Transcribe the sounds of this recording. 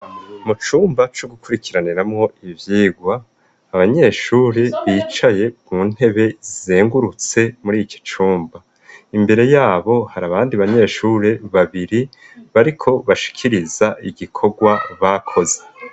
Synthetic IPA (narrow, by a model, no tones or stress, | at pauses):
mut͡ʃuːmbat͡ʃoɡukuɾikʰiɾaniɾamŋo̞ivjiːɡwaː | βaɲe̞ʃuːɾeβiːt͡ʃaje̞muːn̥he̞βe̞zzeːŋɡuɾut͡se̞muɾici̥t͡ʃuːmba | imbe̞ɾe̞jaːβo̞haɾaβaːndiβaɲe̞ːʃuːɾe̞βaβiɾi | βaɾikʰo̞βaʃi̥kʰiɾizaʔiɡikʰo̞ɡwaβakʰo̞ze